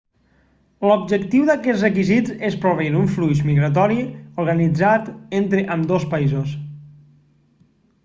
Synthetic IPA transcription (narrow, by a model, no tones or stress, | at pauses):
lobʒəkt̪iwðəkɛt͡ssrəkizizespɾoβiɾuɱflujʃmiɣɾat̪̬ɔɾiuɾɣənid͡zat̪ent̪ɾəʔəmd̪ospaizos